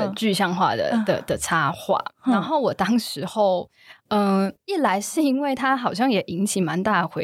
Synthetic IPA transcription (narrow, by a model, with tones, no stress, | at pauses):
ə˨t͡ɕy˥˧ɕjɑ˥˧ŋxwa̰˥˩d̪ə̰˨˩d̪ə̰˨˩d̪̥ə˨ʈ͡ʂʰa˥xwa̰˥˩na˨˧˦nxo˥˩ʊwɔ˨˩t̪ɑ˥ŋʂɻ̩˨˧˥xo˥˩ʊ | ə˧˩i˥˩la˨˦ɪʂɻ̩˥˩i˥nwe˥˩ɪt̪ʰa˥xɑ˨˩ʊɕ̬jɑ˥˩ŋjɛ˨˩ʔi˧˥ŋt͡ɕʰi˨˩ma˨˧˦nt̪a˥˩ə˩xwe˧˦